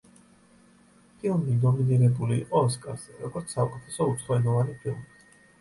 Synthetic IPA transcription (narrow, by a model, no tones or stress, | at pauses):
pʰilˠmid̪ɔminiɾɛbulḭːʔʼɔːskʼa̰ɾz̥ɛɾɔɡɔɾt̪ssaɔkʼut̪ʰɛsɔut̪sʰχˠɔɛnɔvanipʰilˠmi